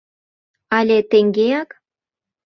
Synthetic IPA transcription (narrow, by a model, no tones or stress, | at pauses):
ɑlʲet̪eŋɡeɑk